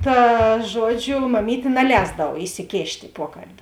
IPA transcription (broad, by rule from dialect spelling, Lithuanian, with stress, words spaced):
tɑː ˈʒuɔˌd͡ʒʲʊ mɐˈmʲiːtʲeː nɐˈlʲɛːzdɐw ɪsʲɪˈkʲeːʃʲtʲ ɪ ˈpuɔkɐlʲbʲɪ